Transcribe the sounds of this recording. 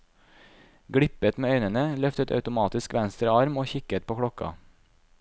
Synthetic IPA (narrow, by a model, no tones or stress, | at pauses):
ɡɽɪpət̪meːœʏnənəlœft̪ət̪ʰɑ̰ʉt̪ʊmɑːt̪ɪskʋɛnst̪ɾəɑɾmoːçɪkət̪̚pʰoːkʰɽɔkɑ̰